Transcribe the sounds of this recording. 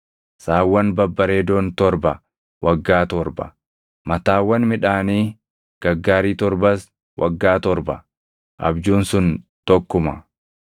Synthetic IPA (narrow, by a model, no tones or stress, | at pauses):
saːwːɐnbɐbːɐɾeːd̪oːnt̪ɔɾbɐ | wʔɐɡːaːt̪ɔɾbɐ̰ | mɐt̪aːwːɐnmɪᶑaːniː | ɡ̥ɐɡːaːɾiːt̪ɔɾbɐs | wʔɐɡːaːt̪ɔɾbɐ | ʔɐ̰bd͡ʒuːnsʊnt̪ɔkːʊmɐ